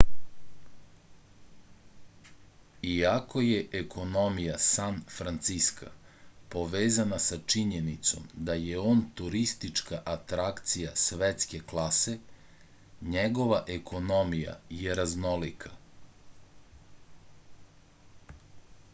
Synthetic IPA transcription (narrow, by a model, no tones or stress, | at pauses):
iako̞jeʔekʰo̞no̞mijasanfɾant̪siska̰po̞ʋeːzanasat͡ʃiɲenit̪so̞̰md̪ajeo̞ːnt̪uɾist̪it͡ʃkaʔat̪ɾakt̪sijasʋet̪ske̞klˠase̞ | ɲeɡo̞ʋaʔekʰo̞no̞mija̰jeɾazno̞likʰḁ